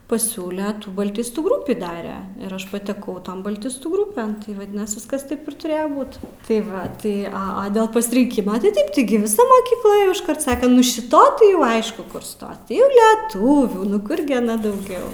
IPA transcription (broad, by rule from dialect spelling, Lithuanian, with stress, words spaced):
pɐˈsʲuːlʲɛ bɐlʲˈtʲɪstuː ˈɡrʊpʲiː ˈdɑːrʲɛ ɪr ˈɐʃ pɐtʲɛˈkɐʊ ˈtoːn bɐlʲˈtʲɪstuː ˈɡrʊpʲɛn ʋɐˈdʲɪnɐs ˈʋʲɪskɐs ˈtɐɪp ɪr tʊˈrʲeːjoː ˈbuːt tɐɪ ˈʋɐ ˈtɐɪ ˈɐ ɐ dʲeːlˠ pɐsʲɪrʲɪŋʲˈkʲɪmɐ tɐɪ ˈtɐɪp tʲɪˈɡʲɪ ʋʲɪˈsɐ moːkʲiːkˈlˠɐ ˈeːjoː ɪʃˈkɐrt ˈsɑːkʲɛ ˈnʊ ʃʲɪˈtɐ tɐɪ jɛʊ ˈɐɪʃkʊ ˈkʊr ˈstoːs ˈiː ˈlʲɪˈtuːʋʲuː nʊ ˈkʊr ɡʲɪ ɐˈnɐ dɐʊˈɡʲɛʊ